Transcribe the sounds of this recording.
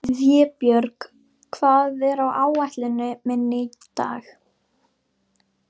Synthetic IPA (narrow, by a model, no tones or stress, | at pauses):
ððjɛːpjœɾk | kʰvaːðɛɾawʔaːwajht̪lɪnʏmɛnːɪ | t̪a̰ːx